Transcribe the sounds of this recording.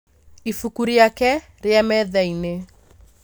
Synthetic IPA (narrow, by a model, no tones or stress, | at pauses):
ifukuɾiakɛ | ɾeamɛðɛine